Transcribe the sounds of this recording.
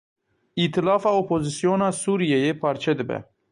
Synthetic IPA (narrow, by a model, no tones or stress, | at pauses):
it̪ʰɨlɑːfaopʰozisijonasuɾijejepʰaɾt͡ʃʰed̪ɪbɛ̰